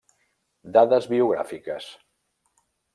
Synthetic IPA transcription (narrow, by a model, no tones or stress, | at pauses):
d̪aðəzβiuɣ̞ɾa̰fikəs